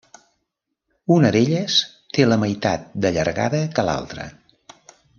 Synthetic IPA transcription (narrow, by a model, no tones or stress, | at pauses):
unəðeʎəs | t̪eləməjt̪a̰t̪̚d̪əʎə̰ɾɣa̰ðəkəla̰lˠt̪ɾə̰